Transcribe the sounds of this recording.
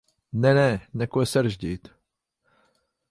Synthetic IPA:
nɛnɛnɛkwɛsɛɾʒɟɪt̪

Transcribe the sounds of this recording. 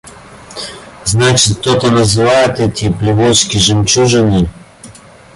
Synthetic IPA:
znat͡ʃit̪ɔt̪ɐnɐzilaɛt̪ɛt̪ʲiplʲivɔt͡ʃkʲiʒɛmt͡ʃuʒɐnʲi

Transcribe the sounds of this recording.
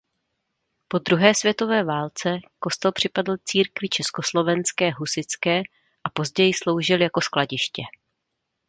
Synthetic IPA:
po̞d̪ɾuɦɛːsvjɛt̪o̞vɛːvaːlt͡sɛko̞st̪ɛlpr̝̥ɪpadl̩t͡siːɾkvɪt͡ʃɛsko̞slo̞vɛnskɛːɦusɪt͡skɛː | ʔapo̞zɟɛjɪslo̞wʒɪljako̞sklaɟɪʃcɛ

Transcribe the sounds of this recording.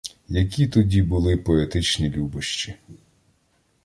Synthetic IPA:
jɐk̬ʲit̪ɔdʲibʊlˠɪpɔet̪ɪt͡ʃnʲilʲubɪʃt͡ʃi

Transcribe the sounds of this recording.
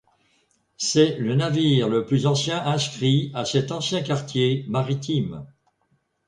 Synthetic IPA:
sɛlənaviʁləplyzɑ̃sjɛ̃ʔɛ̃skχiasɛt̪ɑ̃sjɛ̃kaʁt̪jemaʁit̪ʰim

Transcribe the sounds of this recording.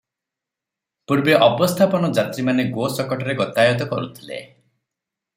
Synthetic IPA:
puɾbeʔɔbɔst̪ʰapɔnɔd͡ʒat̪ɾimaneɡosɔkɔʈɔɾeɡɔt̪ajɔt̪̬ɔkɔɾut̪ʰilḛ

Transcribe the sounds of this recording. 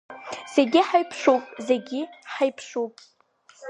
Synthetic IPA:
z̥eɡʲiħajpʰʂupʼzeɡʲiħajpʰʂupʼ

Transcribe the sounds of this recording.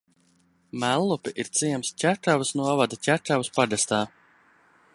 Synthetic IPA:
mælˠːupʲɛʔiɾt̪siɛmscʲæʈavɨsnuɔvad̪acʲæʈavɨspad̪ast̪aː

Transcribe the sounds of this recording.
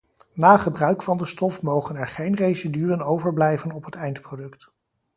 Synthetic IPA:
naːχəbrœɥkfɑndəstɔfmowχənɛɹχejnrejsidylənowvəɹblɛjvənɔpɦətɛjntprodɵkt

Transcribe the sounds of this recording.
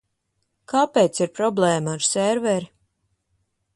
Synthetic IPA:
kaːpeːt̪siɾpɾɔblɛːmaːɾsɛɾvɛɾi

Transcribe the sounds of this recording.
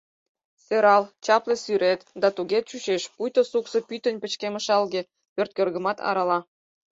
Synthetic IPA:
seɾɑlt͡ɕɑplĕsyɾʔet̪d̪ɑt̪uɣet̪̚t͡ɕuɕeʃpujt̪osuksə̆pyt̪ə̆nʲpə̆t͡ɕkemə̆ʃɑlɣĕ | pørt̪̚kørɣə̆mɑt̪ɑ̰ɾɑlɑ

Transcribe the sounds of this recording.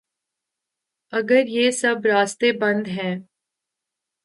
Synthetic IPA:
ɐɡəɾjeːsɐbɾaːst̪ebɐ̃nd̪ɦɛ̃ː

